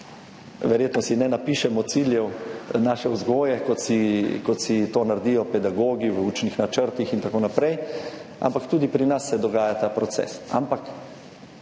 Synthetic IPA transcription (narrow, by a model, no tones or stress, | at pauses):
ʋɛɾjeːt̪nɔsinɛnapiːʃɛmɔt̪siljɛwnaːʃɛwzɡoːjɛkɔt̪sikɔt̪sit̪oːnaɾd̪ijɔpɛd̪aɡoːɡiʋuːt͡ʃnixnat͡ʃəɾt̪ixint̪akoːnapɾɛja̰mpakt̪uːd̪ipɾinasːɛd̪ɔɡaːjat̪aːpɾɔt̪sɛ̰sa̰mpak